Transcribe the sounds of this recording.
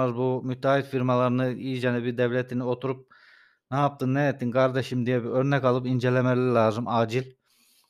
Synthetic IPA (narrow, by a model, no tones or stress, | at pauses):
azbumyt̪ʰːaːɦilfiɾmalˠaɾɯnɯiːd͡ʒɛnibid̪ɛvlʲet̪ʰinio̞t̪ʰuɾup̚ | nɛap̚t̪ʰɯnːɛjet̪ːinkʰaɾd̪eʃimd̪ijɛbiøɾnɛkalˠɯpind͡ʒelʲemɛlʲɛɾlʲaːzɯmaːd͡ʒilʲ